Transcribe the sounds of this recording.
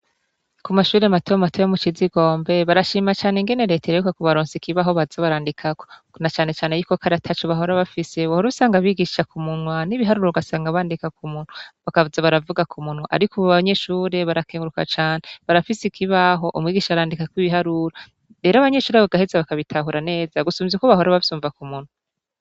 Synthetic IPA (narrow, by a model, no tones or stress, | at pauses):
kumaʃuːɾematojomatojomut͡ʃiziɡo̞ːmbe̞βaɾaʃiːmat͡ʃaːneŋɡe̞neɾe̞teɾejukakoβaɾoːnsikiβaɦo̞βaz̥aβaɾaːndikʰako | nat͡ʃaːne̞t͡ʃaːne̞jukokʰaɾatʰat͡ʃoβaɦo̞ɾaβafise̞βohoɾusaːŋɡaβiɡiʃakumunwaniβiɦaɾuɾouɡasaːŋɡaβaːndikakumuːn̥huβakavuzaβaɾavuɡakʰumun̥hwaʔa̰ɾikʰuβaɲe̞ʃuːɾe̞βaɾakʰeːŋɡuɾuka̰t͡ʃaːneβaɾafisikʰiβaɦo̞ʔumŋiːɡiːʃaβaɾaːndikakwiβiɦaɾuɾo | ɾe̞ːɾaβaɲe̞ʃuːɾeaβoɡahezaβakaβitʰaɦuɾane̞ːzaɡusuːmvekoβaɦo̞ɾaβaβsuːɱvakumun̥wa